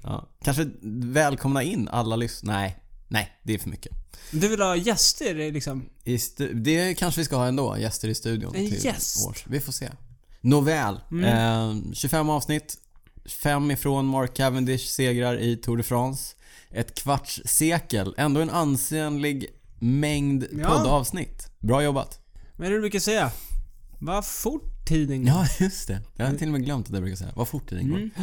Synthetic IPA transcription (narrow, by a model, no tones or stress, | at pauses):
ʔɑ̰ːkʰanʂəvɛːlkʰɔmnaɪnːa̰lːalʏsnɛɪnɛɪd̪ɛæɾfœmʏ̰kːə̥d̪ɵvɪlhɑjɛst̪əɾɪlɪksɔmɪst̪ʉd̪ɛkʰanʂəvɪskahɑːɛnd̪o̰ːjɛst̪əɾɪst̪ʉ̟ːd̪ɪʊ̰nʰɪ̰ɛo̰ːʂvɪfoːsḛːnʊvɛːl | ɕɵfɛmːɑːvsnɪt̪ː | fɛmːɪfɾoːnmɔɾkʰːævənd̪ɪʂseːɡɾaɾʔɪt̪ʰʊɖəfɾɑːnsʔɛt̪kʰvaʈʂseːkəlɛnd̪oːɛnanseːənlɪɡmɛŋd̪pʰɔd̪ːɑːvsnɪt̪ːbɾɑːjɔba̰t̪ | mɛbɾʉːkasɛja | vafʊʈʰːid̪ɪŋɑːjɵst̪ɛjɑhat̪ɪlɔmɛɡlœmt̪at̪ɛabɾʉkasɛ̰jːa̰vafʊʈʰːḭːd̪ɪ̰ŋɔ